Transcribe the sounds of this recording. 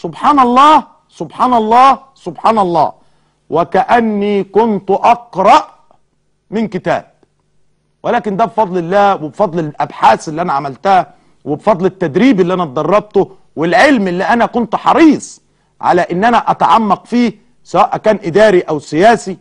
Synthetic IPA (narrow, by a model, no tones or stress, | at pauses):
sʊbħaːnɑlˤːɑː | sʊbħaːnɑlˤːɑː | sʊbħaːnɑlˤːɑ̰ː | wʔækæʔænːiːkʊnt̪ʔɑqɾˤɑʔ | mɪnkɪt̪æ̰ːb̥̚ | wɪlæːkɪnd̪æbfɑd̪ˤlɪlːæːwɪbfɑd̪ˤlɪʔabħaːsɪlːiːʔænæʕamælt̪æhæ | wɪbefɑd̪ˤlɪt̪ːæd̪ɾiːbɪlːiʔænæt̪̚d̪ˤɑrˤːɑb̚t̪ʊ | wɪlʕelmʔlːiːʔænækʊnt̪ħɑɾiːsˤ | ʕa̰læʔɪnːʔænæʔæt̪aʕamːɑqfiː | sæwæːʔækæːnʔɪd̪æːɾiʔæwsɪjæːsi